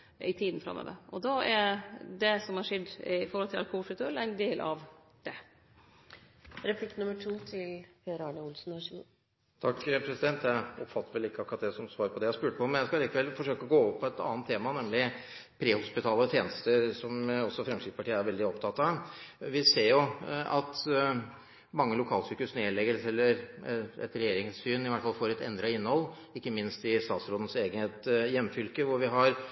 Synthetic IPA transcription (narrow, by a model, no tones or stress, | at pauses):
ɪt̪ʰiːd̪n̩fɾɑ̰mːø̰ːʋə̰ɾʔɔd̪ɑæɾd̪ɛsɔmhɑʂɛd̪ɪfɔɾhɔlt̪ɪlɑ̰ɾkʊulfʉt̪ʉɛlæɪnd̪eːlʔɑ̰ʋ | d̪̥ɛ | ɾɛpʰlɪknʉməʈʰuːt̪ʰɪlfeəɾɑːɳəʊlsn̩hɑɕ | t̪ʰɑkːpʰɾɛsɪd̪ɛnt̪jæɪɔpfɑt̪ʰːəɾʋɛlɪkːəɑkɾɑt̪dæsɔmsʋɑːɾpʰɔd̪ɛjæɪspʉːʈəpɔmːɛnjæɪskɑɑliːkəʋɛlfɔʂøːkəɔɡoːʋɔpʰːɔɛt̪ɑ̰ːnt̪ʰːeːmɑnɛmlɪpʰɾeːhʊspɪt̪ʰɑːlət̪ʰjeːnəst̪əɾsɔmɔsːɔfɾɛŋkʂɪk̪əpɑʈʰiːəæɾʋɛld̪ɪɔpt̪ʰɑt̪ːɑʋɪseːɾjʊɑt̪ | mɑŋːəlʊkʰɑːlsyːkʉsneːɭɛɡəlsɛlːəɾɛ̰t̪ɾɛjeːɾɪŋsfyːnɪʋæʈfɑlfoːɾɛt̪ɛ̰nd̪ɾɑɪnːhɔlː | ɪkːəmɪnst̪ɪst̪ɑːt̪sɾoːd̪ən̩seːɡənheːt̪jɛmːfʏlkəʋʊɾʋɪɦɑɾ